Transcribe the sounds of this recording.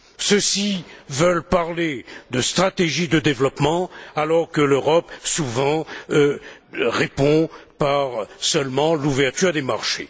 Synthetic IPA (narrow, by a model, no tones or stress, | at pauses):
səsivœlpaʁled̪əst̪χat̪eʒid̪əd̪evlɔpmɑ̃alɔʁkəløʁɔpsuvɑ̃ | ʁepɔ̃paʁsœlmɑ̃luvɛʁt̪yʁd̪emaʁʃḛ